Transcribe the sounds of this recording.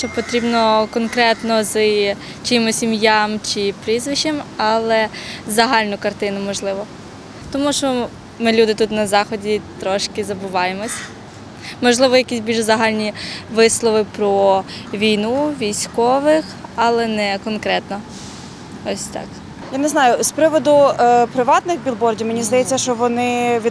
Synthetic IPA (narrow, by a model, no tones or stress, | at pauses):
ʃt͡ʃɔpɔt̪ɾʲibnɔkɔnkɾɛt̪nɔz | t͡ʃɪmɔsʲimjamt͡ʃɪpɾizʋɪʃemɑlˠɛzɐɦɑlʲnʊkɐrt̪ɪnʊmɔʒlˠɪʋɔ | t̪ɔmuʃt͡ʃɔ | mɪlʲud̪ɪt̪ut̪nɐzɑxɔdʲit̪ɾɔʃkɪzɐbʊʋɑjemɔsʲɐ | mɔʒlˠɪʋɔjɐkʲisʲbʲilʒzɐɦɑlʲnʲiʋɪslˠɔʋɪpɾɔʋʲijnuʋʲijsʲkɔʋɪxɐlˠɛnɛkɔnkɾɛt̪nɔ | ɔsʲt̪ɑ̰k | janɛznɑjʊspɾɪʋɔd̪ʊpɾɪʋɑt̪nɪxbʲilˠbɔrdʲiwmenʲizd̪ɐjɛt͡sʲːɐʃt͡ʃɔʋɔnɪʋʲi